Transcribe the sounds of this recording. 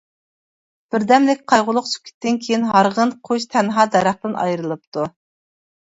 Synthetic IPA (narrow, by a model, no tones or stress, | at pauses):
b̥ɪɾd̪ɛmlɪkʲqʰɑjʁʊlˠʊqsʰy̥p̚kʲʰi̥t̪ːɪnkʲʰejinɦɑɾʁənqʰoʃt̪ʰɛnɦɑːd̪ɛɾæχt̪ɨnʔɑ̰jɾɨlˠɨp̚t̪ʰu